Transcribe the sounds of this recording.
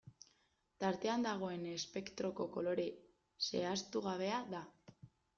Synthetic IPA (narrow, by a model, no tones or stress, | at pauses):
t̪aɾt̪e̞and̪aɣ̞o̞e̞nespe̞kt̪ɾo̞ko̞ko̞lo̞ɾe̞ | se̞̰ast̪uɣaβ̞e̞aða